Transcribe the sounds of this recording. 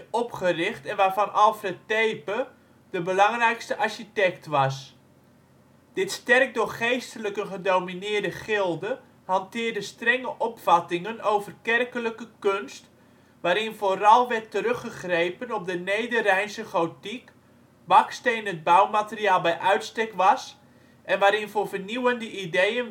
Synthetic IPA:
ɔpχərɪχtɛnʋaːrvɑnʔɑlˠfrɛtejpə | d̥əbəlɑŋrɛjkstəʔɑɹʃitɛktʋɑs | d̥ɪtstɛrk̚dʊːrχejstələkəχədowminɪːrdəχɪlˠdə | hɑntɪːrdəstrɛŋəʔɔpfɑtɪŋənowvərkɛrkələkəkønst | ʋaːɾɪnvoːrɑlˠʋɛrtəɾɵχəχrejpənɔp̚dənejdərɛjnsəχowtik | bɑkstejnəd̚bawmatəriaːlˠbɛjʔœɥtstɛkʋɑs | ʔɛnʋaːɾɪnvoːrvərniwəndəʔidejən

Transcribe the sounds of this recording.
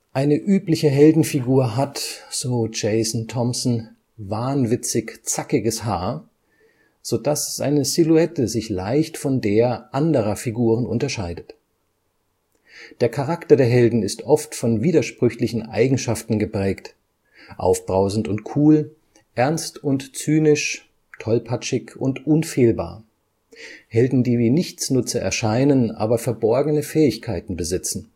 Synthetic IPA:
ʔaɪnəʔyːplɪçəɦɛldn̩fiɡuːɐɦatz̥oːd͡ʒɛɪsn̩tʰɔmsn̩ | vaɐnvɪt͡sɪçt͡sakɪɡəshaːɐ | z̥oːdasza̰ɪnəziluɛtəzɪçlaɪçtfɔndeːɐʔandəʁ̞ɐfiɡuːʁ̞ənʊ̰ntɐʃaɪdət | d̥eːɐkʰaʁaktɐdeːɐɦɛldn̩ɪstʔɔftfɔnviːdɐʃpʁ̥ʏçlɪçn̩ʔa̰ɪɡŋ̩ʃaftn̩ɡəpʁ̥ɛːkt | ʔa̰ʊfb̥ʁaʊzn̩tʊntkʰuːl | ʔɛɐnstʊntt͡syːnɪʃ | tʰɔlpʰat͡ʃɪkʊ̰ntʔʊnfeːlba̰ːɐ | hɛldn̩diːviːnɪçt͡snʊt͡sɐʔɛ̰ɐʃaɪnənʔa̰ːbɐfɛɐbɔɐɡənəfɛːɪçkʰaɪtn̩bəzɪt͡sn̩

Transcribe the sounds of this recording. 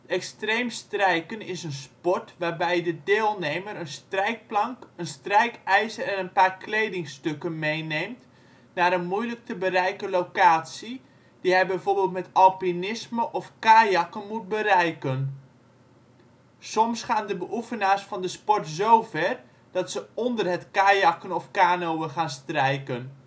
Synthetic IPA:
ɛkstreːmstrɛjkənɪsənspɔtʋaːbɛjədədɪːlˠneːməɾənstrɛjk̚plɑŋkənstrɛjkɛjzərɛnənpaːrklejdɪŋstøkənmejnemt | naːɾənmujlək̚təbərɛjkəlowkaːtsi | d̥iɦɛjbɛjvoːrbeːlˠtmɛtɑlˠpinɪsməʔɔfkaːjɑkənmut̚bəɾɛjkən | sɔmsχaːndəbəʔufənaːrsfɑndəspɔrtzowvɛr | d̥ɑtsəɔndərɦətkaːjɑkənɔfkaːnowəχaːnstrɛjkən

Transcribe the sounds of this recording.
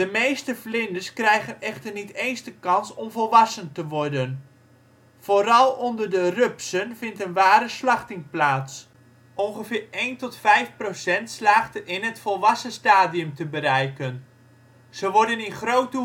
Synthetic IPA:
dəmejstəflɪndəskrɛjχənɛχtərnitejnzdəkɑnsɔmvɔlˠʋɑsəntəʋɔɹdən | v̥oːɾɑlˠɔndərdərɵpsənvɪntənʋaːɾəslɑχtɪŋplaːts | ʔɔnχəvɪːɹejntɔtfɛjfprowsɛntslaːχtəʔɪnɦətfɔlˠʋɑsəstaːdiɵmtəbəɾɛjkən | z̥əʋɔɹdənɪnχrowtə

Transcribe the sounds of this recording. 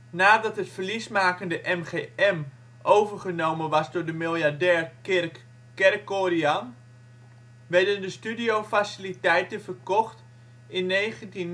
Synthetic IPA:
naːdɑtɦətfərlismaːkəndəʔɛmχeɛm | ʔowvəɹχənowmənʋɑsdʊːɹdəmilˠjaɹdɛːɹkrk | kɛrkːorian | ʋɛɹdəndəstydiowfasilitɛjtənfərkɔχt | ɪnːeːχəntin

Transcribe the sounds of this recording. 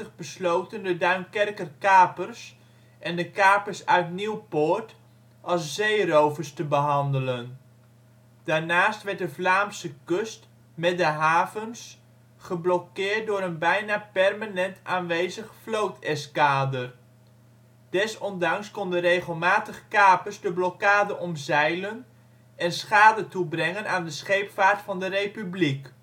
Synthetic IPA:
əχbəslowtəndədœɥnkɛrkərkaːpərs | ʔɛndəkaːpəɹsœɥtniwpʊːɹt | ʔɑlˠszejrowvərstəbəɦɑndələn | d̥aːɹnaːstʋɛrt̚dəvlaːmsəkøst | mɛdəɦaːvəns | χəblɔkɪːrt̚dʊːɾənbɛjnaːpɛrmanɛntʰaːnʋejzəχflowtʰɛskaːdər | d̥ɛsɔndɑŋskɔndərejχəlˠmaːtəχkaːpəzdəblɔkaːdəʔɔmzɛjlən | ɛnsχaːdətubrɛŋənaːndəsχejpfaːɹtfɑndərejpyblik

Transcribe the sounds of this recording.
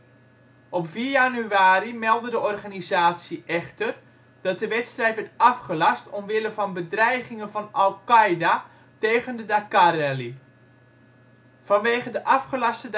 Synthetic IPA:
ɔpv̥iːjanyaːɾimɛlˠdədəɔrχanizaːtsjiʔɛχtər | d̥ɑt̚dəʋɛtstrɛjtʋɛtɑfχəlɑstɔmʋɪləvɑnbədrɛjχɪŋənvɑnɑlˠkajda | teːɣəndədakarɛli | v̥ɑnʋeːχədəʔɑfχəlɑstə

